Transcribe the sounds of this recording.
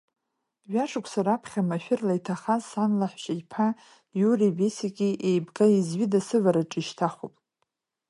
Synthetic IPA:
ɥaʂʰakʷʰsaɾapʰχʲamaʃᶣɪrlaitʰaχazsanlaħʷʃajpʰa | juribesakʲʼiʔejbɡaizɥidasɨvaɾaʈ͡ʂʼiʃtʰaχʷupʼ

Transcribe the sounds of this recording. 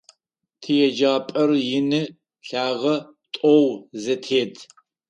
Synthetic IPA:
tʰɨjɛd͡ʒaːpʼɐrjɪnɨ | ɬaːʁɐ | tʼɔwzɐtʰeːdʰ

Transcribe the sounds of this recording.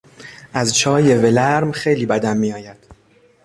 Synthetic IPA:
ʔæzt͡ʃʰɒːje̞ve̞læɾmxe̞jliːbæd̪æmːiːjɒːjæd̪̥

